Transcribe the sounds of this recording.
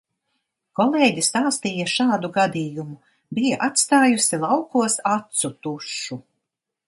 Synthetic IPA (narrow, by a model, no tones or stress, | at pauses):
kɔleːɟʲist̪aːst̪iːjɐʃaːd̪uɡad̪iːjumu | bijaʔat̪st̪aːjusilˠawkuɔsat̪sut̪uʃu